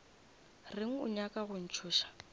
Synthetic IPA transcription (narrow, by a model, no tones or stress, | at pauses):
rɪŋ̩ʊ̰ɲakʼaɣʊn̩t͡ʃʰʊːʃḁ